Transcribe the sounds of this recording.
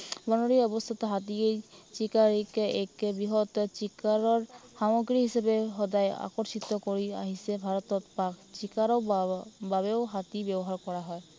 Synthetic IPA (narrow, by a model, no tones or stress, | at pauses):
bɔnɔɹiɔbɔst̪ʰɔt̪ɔɦat̪iejt͡ʃikaɹikekbiɦɔt̪t͡ʃikaɹɔɹxamɔɡɹiɦisabeɦɔdaja̰kɔɾsit̪ɔkoɹia̰ɦisɛbʱaɹɔt̪ɔt̪pakt͡ʃikaɹɔbabeʊɦat̪ibjɔbɔɦaɹkɔɹaɦɔj